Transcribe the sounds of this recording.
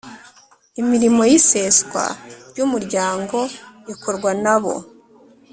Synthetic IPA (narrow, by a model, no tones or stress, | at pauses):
imiɾimo̞jise̞skwa̰ɾɟumuɾɟaːŋɡo̞jikʰo̞ɾɡwanaβo̞̰